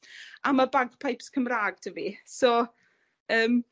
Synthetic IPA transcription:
amabaɡpʰajpskʰəmraːɡ̚tʰəvisɔ | əːm

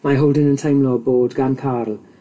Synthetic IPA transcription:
maɦowlˠdɪnəntʰajmlɔboːdɡankʰaːrl̩ˠ

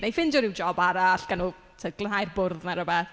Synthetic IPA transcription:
najfɪndɔɾɪwd͡ʒɔbaɾaɬɡ̥anu | tʰəɡ̥lˠənɦajrbʊrðnaɾəbɛθ

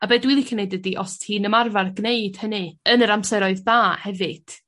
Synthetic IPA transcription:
abeːdwilˠikʰənejdədiʔɔstʰhiːnəmarvarɡneɨd̥hənɨənəɾamsɛɾɔɨðːaːhɛvɨd̥

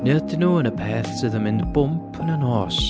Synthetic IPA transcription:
nɪdɪnuːənəpʰeːθsɪðəmɪndbʊmpʰənənɔːs

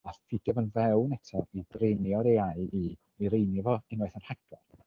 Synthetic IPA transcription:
afɪdɛvənvɛwnɛtʰɔidrenjɔɾeaɨi | iɾejnɪvɔɪnwajθanhaɡɔ̰r

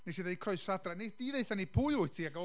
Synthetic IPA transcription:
nesiðajkʰrɔɨsadraned̥iðeɨθanipʰʊjʊɨtʰiːaɡɔ

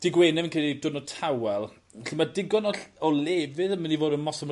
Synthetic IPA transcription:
d̥ɪɡweːnɛvinkʰrelidʊdnɔtʰawɛlˠ | ɬɪmadɪɡɔnɔɬɔleːvɨðəmənivoːdənmɔsɔm

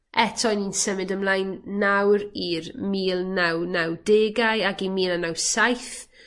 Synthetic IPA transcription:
ɛtʰɔjniːnsəmɨdəmlˠajnːawɾirmiːlˠnawnawdeːɡajaɡimiːlˠanawsajθ

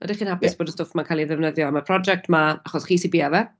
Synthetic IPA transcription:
ə̰diχiːnhapɪsb̥oːdəstoːfmankʰalˠiðɛvnəðjɔəməpʰr̥ɔd͡ʒɛk̚tʰmaaχɔsχiːsibiːavɛ

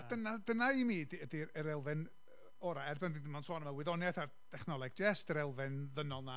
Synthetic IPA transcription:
d̥ənadənaimiːdədiəɾɛlˠvɪn | ɔɾaɛrbɛndindɪmansɔːnəmawɪðɔnjaθard̥ʰɛχnɔlˠɛɡ̚d͡ʒɛstəɾɛlˠvɨnðənɔlˠna

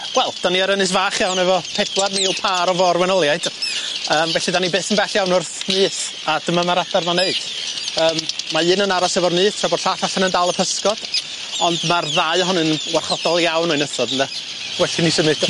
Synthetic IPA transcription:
wɛlˠd̥aniaɾənɨs̬vaːχjawnɛvɔpʰɛd̥wadniːlˠpʰaːɾɔvɔrwɛnɔlˠjaɨd̥əːmvɛɬidanibeːθənbɛɬjawnʊrθnɨːθ | ad̥əmamaɾadarmaneɨd̥ | əːmmaɨːnənaɾasɛvɔrnɨːθtʰrabɔːd̥ɬaːθaɬanəndalˠəpʰəskɔd̥ | ɔndmarðaɨhɔnɨnwarχɔd̥ɔlˠjawnɔɨnəθɔdənðɛ | wɛɬinisəmɨd

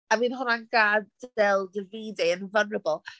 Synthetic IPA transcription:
amiːnhʊnanɡadɛlˠdəviːdɛɪnvanəbəlˠ

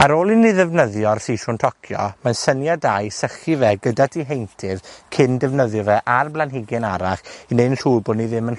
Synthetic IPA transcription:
aɾoːlˠinɪðɛvnəðjɔrθiʃʊntʰɔkʰjɔ̰mansənjadajsəχivɛɡədadʰiɦejntʰɪðkʰɪndɛvnəðjɔvɛʔarblanɦɪɡɪnaɾaχinenɬuːbʊniðɪmən

